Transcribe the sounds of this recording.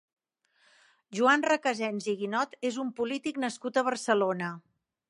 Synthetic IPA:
ʒuanrəkəzɛnziɣinɔt̪ezumpulit̪iknəskut̪əβ̞ərsəlonə

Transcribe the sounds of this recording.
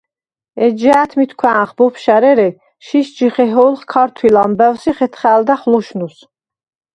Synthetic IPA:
ɛd͡ʒɛæt̪ʰmit̪ʰkʰwæːχbɔpʰʃæɾɛɾɛ | ʃiʃd͡ʒiχɛɦɔlˠχkʰɑɾt̪ʰwilambɛwsiχɛt̪ʰχæːld̪aχlɔʃnus

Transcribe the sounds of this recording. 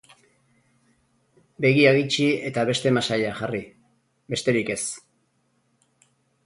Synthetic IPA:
be̞ɣiaɣit͡ʃie̞t̪aβe̞st̪e̞masajaxari | be̞st̪e̞ɾike̞s

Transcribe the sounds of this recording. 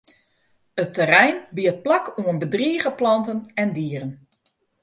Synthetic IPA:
ətːərɛjnbiət̚plakʰuənbədriːɣəplɑntənɛndiːərən

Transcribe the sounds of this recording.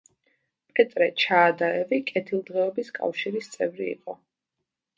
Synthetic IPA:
pʼqʼɛt̪ʼɾɛt͡ʃʰaːd̪aɛvikʼɛt̪ʰilˠd̪ʁɛɔbiskʼa̰fʃiɾist̪sʼɛvɾiḭqʼɔ

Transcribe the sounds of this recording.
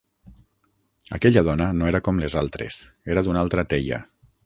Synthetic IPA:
a̰kɛʎað̞ɔnanoeɾakɔmlezalˠt̪ɾḛs | eɾaðunalˠt̪ɾat̪eʎa̰

